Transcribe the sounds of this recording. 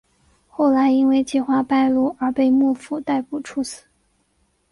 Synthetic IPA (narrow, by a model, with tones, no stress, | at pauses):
xo˥˩ʊla˧˥ɪi˥nwe˥˧ɪt͡ɕi˥˩xwa˥pa˥˧ɪlu˥˩ə˞˧˥pe˥˧ɪmu˥˩fu˨˩t̪a˥˩ɪpu˨˩ʈ͡ʂʰu˧˥sɹ̩˨˩˦